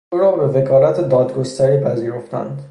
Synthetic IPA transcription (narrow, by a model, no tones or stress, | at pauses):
ʔuɾɒːbe̞ve̞kʰɒːlæt̪ʰed̪ɒːd̪ɡost̪æɾiːpʰæziːɾo̞ft̪æ̰nd̪